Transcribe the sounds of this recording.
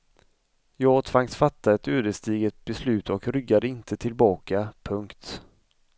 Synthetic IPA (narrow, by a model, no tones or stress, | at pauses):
jɑːɡt̪ʰv̥aŋsfat̪ːaɛt̪øːd̪əst̪iːɡət̪̚bɛslʉ̟ːt̪ɔkɾʏɡːad̪əɪnt̪ʰət̪ʰɪlbɑːkapʰɵŋkt̪